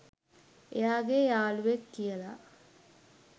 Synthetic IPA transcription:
ejaːɡejaːluʋekːijəla

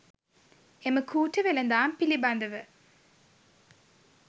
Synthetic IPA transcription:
eməkʰuːʈəʋelənd̪aːmpiliband̪əʋə

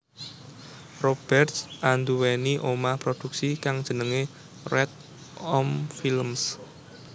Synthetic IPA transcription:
rob̥ɛrt̪sʔand̪uweniʔomahpɾod̥ṳk̚sikaŋd̥ʒ̥ə̤nəŋe | rɛt̪̚ | ɔmfilms

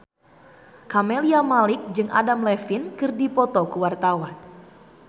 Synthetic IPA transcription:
kameliamalɪk̚d͡ʒɨŋʔa̰damlɛfinkɨrdipɔt̪ɔkəwart̪awan

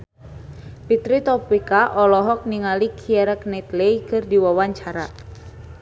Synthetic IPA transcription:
pit̪ɾit̪ɔpikaʔɔlɔɦɔk̚niŋalikʰiɛɾɛknɛt̪lɛjkɨrdiwawaɲt͡ʃaɾa

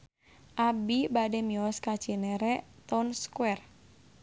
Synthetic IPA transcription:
ʔabibademiɔskḁt͡ʃineɾɛt̪ɔnskwɛr

